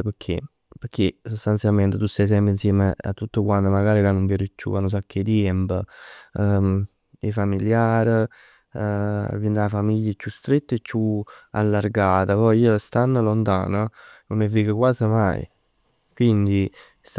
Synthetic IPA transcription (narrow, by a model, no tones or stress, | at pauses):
pəkʰːḛ | pəkʰːesost̪ant̪sjalment̪et̪usajs̬ɛmpɾinsjɛːmea̰t̪ːut̪ːokwant̪omaɡaːɾilanːomvjɛɾɪt͡ʃːṵanːos̬akʰːed̪jɛmpə | efamiljaːɾ | vind̪afamiʎːət͡ʃːust̪ɾet̪ːet͡ʃːua̰lːarɡaːt̪apɔjiːlast̪anːəlont̪a̰ːnənonːevːiːkəkwaːzəma̰j̰ | kwind̪i | s